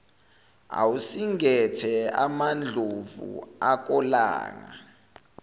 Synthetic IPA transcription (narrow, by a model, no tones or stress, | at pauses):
a̰wusiŋɛtʰɛamand͡ɮʱovṵak̬ʼɔla̰ːŋa